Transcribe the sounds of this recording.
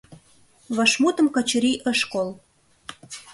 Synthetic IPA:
βɑʃmut̪ə̆mkɑt͡ɕəɾiʔəʃkol

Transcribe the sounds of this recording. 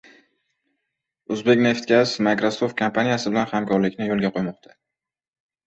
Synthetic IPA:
ʊzbe̞kʲne̞ft̪̚kʲasmakɾasoft̪̚kʰampʰanijasɪbɪlanhamkʰɒɾlɪkʲnɪjolˠɡʲaqʰojmɒqt̪ʰa

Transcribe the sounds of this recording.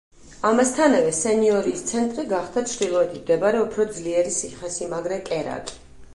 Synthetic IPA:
amast̪ʰanavɛsɛniɔɾiːst̪sʰɛnt̪ʼɾiɡaχd̪at͡ʃʰɾd̪ilˠɔɛt̪ʰimd̪ɛbaɾɛupʰɾɔd̪zliɛɾisiχɛsimaɡɾɛkʼɛɾa̰kʼi̥

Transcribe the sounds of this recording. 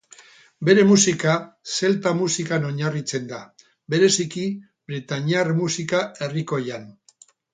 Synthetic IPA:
be̞ɾe̞musikase̞lt̪amusikano̞ɲarit͡se̞nd̪a | be̞ɾe̞siki | βɾit̪aɲiarmusikae̞riko̞jan

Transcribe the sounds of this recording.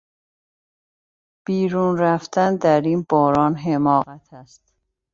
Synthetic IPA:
b̥iːɾuːnɾæft̪ænd̪æɾiːnb̥ɒːɾɒːnɦemɒːɣæt̪ʰæst̪

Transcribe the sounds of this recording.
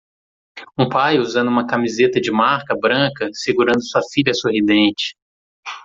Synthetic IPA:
ũpajuzɐ̃nd̪ʊuũmɐkamizet̪ɐd͡ʒɪmaɾkɐbɾɐ̃kɐseɡuɾɐ̃nd̪ʊsuɐfiʎʲɐsoɦid̪ẽnt͡ʃɪ̥

